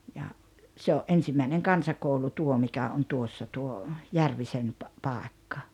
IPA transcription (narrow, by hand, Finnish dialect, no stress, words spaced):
jɑ se oʔ ʔensimːæineŋ kɑnsɑkoulu tuo mikæ on tuosːɑ tuo jærʋisen pɑ pɑˑekːɑ